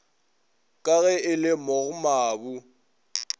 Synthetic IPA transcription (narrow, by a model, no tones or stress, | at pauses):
kʼaɣɛɪlɪmɔɣʊmaːbu